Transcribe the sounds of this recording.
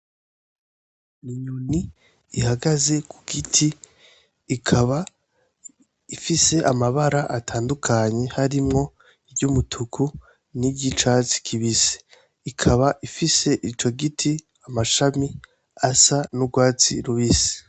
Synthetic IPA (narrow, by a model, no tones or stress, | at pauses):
niɲuniː | haɡaze̞kʰuɡ̥itʰiː | kʰaβa | ifise̞ʔamaβaɾaʔatʰaːndukʰaɲe̞haɾimŋo̞ | ibɟumutʰukʰu | niɟit͡ʃaːt͡si̥kʰiβise̥ | ikʰaβaʔifise̞ʔit͡ʃo̞ɡitʰi | amaʃami | asanuɡwaːt͡sḭɾuβisi̥